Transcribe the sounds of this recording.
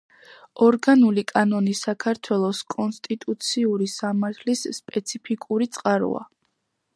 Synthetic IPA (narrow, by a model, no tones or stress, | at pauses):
ɔɾɡanulikʼanɔnisakʰaɾt̪ʰwɛlˠɔskʼɔnst̪ʼit̪ʼut̪sʰiuɾisamaɾt̪ʰlisːpʼɛt̪sʰipʰikʼuɾit̪sʼqʼaɾṵa̰